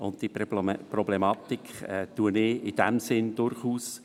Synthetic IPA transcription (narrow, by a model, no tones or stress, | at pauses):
ʊnttiprɔblɛmɑt̪ikɛt̪uənɪɪd̥ɛmsɪnd̥ʊrχuːs